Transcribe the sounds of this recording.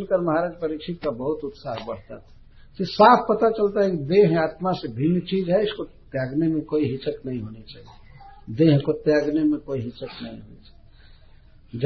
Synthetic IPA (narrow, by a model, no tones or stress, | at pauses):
nkəɾməɦaɾad͡ʒpəɾikt͡ʃʰit̪̚kabəɦut̪ut̪saɦbəɽ̤t̪a̰t̪ʰ | sesapʰpət̪at͡ʃəlt̪aɦɛkid̪eɦat̪masebʱinːt͡ʃid͡ʒɦɛɪskot̪jaɡnemekoiɦit͡ʃəknəĩɦonet͡ʃaɦied̪eɦkot̪jaɡnemekoiɦit͡ʃəknəĩɦonḛt͡ʃaɦi | d͡ʒ